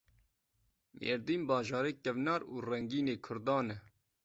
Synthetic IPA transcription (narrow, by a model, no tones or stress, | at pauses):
mʔḛːɾd̪iːmbɑːʒɑːɾeːkɛvnɑːɾṵːrɛŋɡiːneːkʰʊɾd̪ɑːnɛ